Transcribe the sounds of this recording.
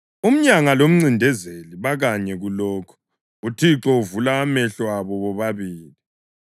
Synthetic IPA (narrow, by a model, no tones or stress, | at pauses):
um̩ɲaŋalom̩ŋ͡ǀindʱɛzeliβaɣaɲɛɣulɔːkʰɔ̥ | utʰiǁɔuvulaːmɛɬwaβɔβɔβaβiːli